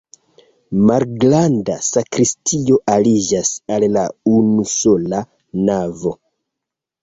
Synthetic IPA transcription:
malɡlandasakɾistʰio̞ʔalid͡ʒasallaunuso̞la | navo̞

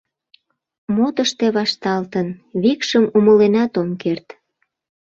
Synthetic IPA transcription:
mot̪əʃt̪eβɑʃt̪ɑlt̪ənβikʃəmuməlenɑt̪omkert̪

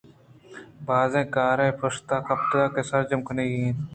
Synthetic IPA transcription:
baːzẽːkaːɾẽːpʰəst̪aːkəpʈəlaːkeːsəɾd͡ʒəmkʰəneːiẽː

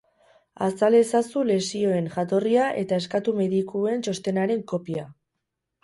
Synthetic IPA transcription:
asale̞sasule̞sio̞e̞nʝat̪o̞riaʔe̞t̪ae̞skat̪ume̞ðikue̞nt͡ʃo̞st̪e̞naɾe̞ŋko̞pia

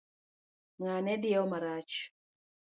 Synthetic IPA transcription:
manɛdiɛɔmaɾat͡ʃu̥

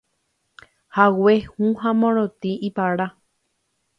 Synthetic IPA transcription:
hawehũhãmõɾ̃õt̪ĩʔipaɾa

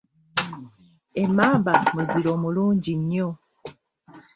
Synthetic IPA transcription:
e̞maːmbamuziɾo̞ːmuluːɲɟiɲːo

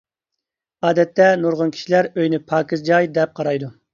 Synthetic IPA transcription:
ɑːd̪ɛt̪ːɛnuɾʁʊnkʲʰi̥ʃilæɾøjnɪpʰɑːkɨzd͡ʒɑjd̪ɛp̚qʰɑɾɑjd̪u

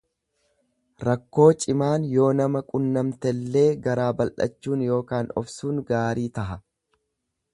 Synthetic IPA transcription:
ɾɐkːo̞ːt͡ʃʼɪmaːnjo̞ːnɐmɐkʼʊnːɐmt̪ɛlːe̞ːɡɐɾaːbɐlʔɐ̰t͡ʃːuːnjo̞ːkaːnɔ̰fsuːŋɡaːɾiːt̪ɐɦɐ

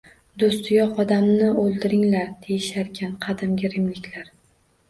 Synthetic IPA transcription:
d̪ost̪ɪjɒqɒd̪amnɪolˠd̪ɪɾɪŋlaɾd̪̥ʰejɪʃaɾkʲʰanqʰɑd̪ɪmɡʲɪɾɪmlɪkʲlaɾ

